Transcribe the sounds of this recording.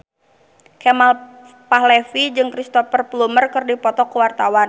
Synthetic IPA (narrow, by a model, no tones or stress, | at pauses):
kɛmal | pahlɛfid͡ʒɨŋkɾist̪ɔfərplumərkɨrdipɔt̪ɔkəwart̪awan